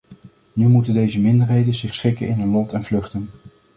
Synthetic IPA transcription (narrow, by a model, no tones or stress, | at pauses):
nymutəndejzəmɪndəɹɦejdənzɪχsχɪkənɪnənlɔtɛnvlɵχtən